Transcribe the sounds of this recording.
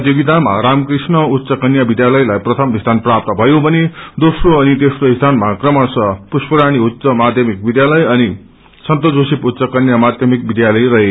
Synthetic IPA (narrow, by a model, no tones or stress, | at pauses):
d͡zibid̪ʱama̰ɾamkrisnʌut̪ːsʌkʌnjabid̪jalʌjlajprʌt̪ʰʌmisd̪ʱanprap̚t̪ʌbʱʌjobʱʌned̪osroʌnit̪esroisd̪ʱanmakrʌmʌrsʌpuspʌɾaɽ̃iutːsʌmad̪ʱjʌmik̚bid̪jalʌjʌni | sʌnt̪ʌd͡zosiput̪ːsʌkʌnjamad̪ʱjʌmik̚bid̪jalʌjrʌɦe